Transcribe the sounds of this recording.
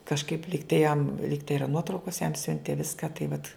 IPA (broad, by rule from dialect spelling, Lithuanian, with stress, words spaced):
kɐʃˈkɐɪp ˈlʲiːktɐɪ jɛm ˈlʲiːktɐɪ ˈiːrɐ ˈnuɔtrɐʊkoːs jɛm ˈsʲʊnʲtʲeː ˈʋʲɪskɑː tɐɪ ʋɐt